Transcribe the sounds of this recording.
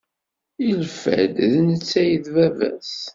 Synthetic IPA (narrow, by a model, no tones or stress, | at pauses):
ilfæ̰d̪ðnət͡sːæjəðvævæ̰s